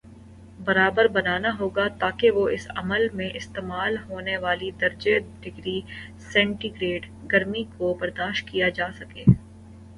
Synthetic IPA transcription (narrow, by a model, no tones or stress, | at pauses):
bɐɾaːbəɾbɐnaːnaɦoːɡat̪aːkeʋoɪsɐ̰məlmẽʔɪst̪eːmaːlɦoːneʋaːlid̪ɐɾd͡ʒeɖɪɡɾisɛ̃ːɳʈiɡɾeːɖ | ɡɐɾmikobɐɾd̪aːʃʈkijad͡ʒaːsɐkeː